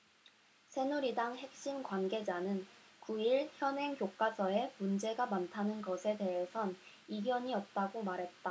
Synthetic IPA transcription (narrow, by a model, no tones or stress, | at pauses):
sʰenuɾidaŋhe̞k̚ɕ͈inkwanɡe̞d͡ʑanɯnkuiɭçjʌnɦe̞ŋkjok͈asʰʌe̞mund͡ʑe̞ɡamantʰanɯnɡʌsʰe̞de̞ɦe̞sʰʌn | iɡjʌɲiʌt̚t͈aɡomaɾɦe̞t̚t͈a